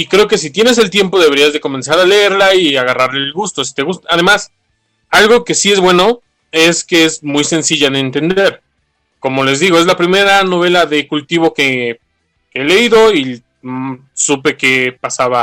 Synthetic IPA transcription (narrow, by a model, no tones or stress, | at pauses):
ikɾe̞o̞ke̞s̬it̪je̞ne̞s̬e̞lt̪je̞mpo̞ðe̞βe̞ɾiazðe̞ko̞me̞nsaɾale̞eɾlaiaɣaraɾlelɣust̪o̞si̥t̪e̞ɣust̪aːðe̞mas | alɣo̞ke̞sie̞zβwe̞no̞ | e̞skeezmujse̞nsiʝaðent̪e̞nd̪e̞ɾ | ko̞mo̞le̞zðiɣ̞o̞e̞zlapɾime̞ɾano̞β̞e̞laðe̞kult̪iβ̞o̞ke̞ | keele̞iðo̞i | supe̞ke̞pasaβa